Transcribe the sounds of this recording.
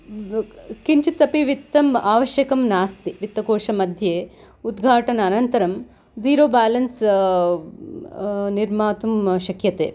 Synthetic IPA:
kiɲt͡ʃit̪ːɐpiʋit̪ːɐmaːʋɐʃjɐkɐmnaːst̪iʋit̪ːɐkoːʃɐmɐd̪ʱjeː | ud̪ɡʱaːʈɐnɐːnɐnt̪ɐɾɐm | ziːɾoːbaːlɐns | niɾmaːt̪umʃɐkjɐt̪ḛː

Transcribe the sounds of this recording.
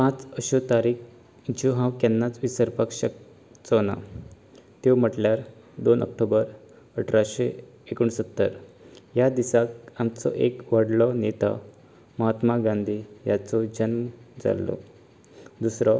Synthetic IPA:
pãt͡səɕot̪aɾiːk | d͡ʑoɦãwkɛnːat͡sʋisəɾpakɕək̚ | t͡sɔna̰ | t̪em̤əʈljaɾd̪onʔə̰k̚ʈobəɾ | əʈɾaɕeː | kuɳsət̪ːəɾjad̪isakamt͡sɔ̰ʔekʋəɽlɔnet̪a̰ | məɦat̪maɡãnd̪ʱiːjat͡sɔd͡ʑənməd͡za̰lːɔ̰ | d̪usɾɔ

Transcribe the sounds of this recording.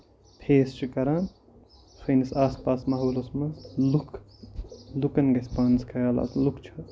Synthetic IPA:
pʰeːst͡ʃʰikɐɾaːn | sʰɐjnisaːspaːsmɐɦoːlosmɐlukʰ | lukɐnɡɐspaːnzkʰɐɡala̰ːslukt͡ʃʰɐ

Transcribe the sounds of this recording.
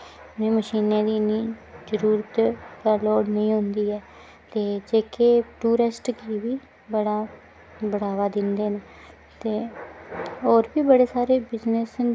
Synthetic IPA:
nẽːməʃiːnẽːd̪iːniːd͡ʒəɾuːɾət̪pɛːloːɽnəĩːɦʊnd̪iːɛː | t̪eːd͡ʒeːkeːʈuːɾɪsʈkiːʋiː | bəɽaː | bəɽaːʋaːd̪ɪnd̪eːne | t̪eː | oːɾbiːbəɽeːsaːɾeːbɪznes

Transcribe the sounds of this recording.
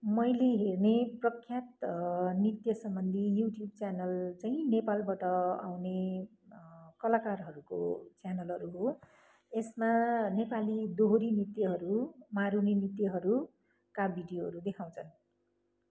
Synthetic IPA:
mʌjleɦerneprʌkʰːjat̪nit̪jʌsʌmbʌnd̪ʱijuʈjub̚t͡sjanʌlt͡saĩnepalbaʈʌa̰wne | kʌlakarɦʌɾuko̰t͡sjanʌlɦʌɾuɦo | esmanepalid̪oɦoɾinit̪ːjʌɦʌɾumaɾuninit̪jʌɦʌɾu | kabʱiɖijoɦʌ̰ɾud̪ekʰaw̃t͡sʰʌn

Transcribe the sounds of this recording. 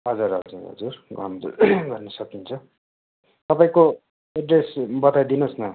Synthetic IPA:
ɦʌd͡zuɾɦʌ̰ld͡za̰ɦʌ̰d͡zurɡʱʌ̰nd̪ɡʌrnʌsʌkint͡sʰʌ | t̪ʌpaĩko | eɖresbʌt̪ajd̪inosnʌ

